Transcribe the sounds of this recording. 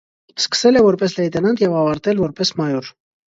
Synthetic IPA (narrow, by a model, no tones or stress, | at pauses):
skə̥sɛlɛvɔɾpɛslɛjt̪ɛnɑnt̪jɛvɑvɑɾt̪ɛlvɔɾpɛsmɑjɔɾ